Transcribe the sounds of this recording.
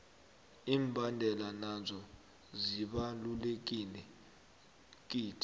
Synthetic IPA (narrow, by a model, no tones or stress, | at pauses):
iːmbʱandʱɛlanazɔ | ziɓalulek̬ʼilɛ | k̬ʼiːtʰʼi